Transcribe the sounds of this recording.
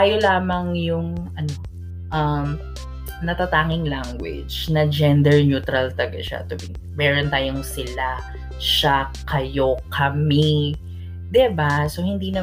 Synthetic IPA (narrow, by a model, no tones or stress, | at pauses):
ajolaːmɐŋjʊŋʔɐno | ʔɐm | nɐt̪ɐt̪aːŋɪŋlaŋɡwɪ̰d͡ʒnɐd͡ʒɛnd̪ɛɹnjuːt̪ɾɐlt̪ɐɡaʃa̰t̪ʊbɪ | mɛːɾont̪aːjoŋsɪla | ʃa | kɐjokʰɐmɛ | d̪ɪbasohɪnd̪iːnɐ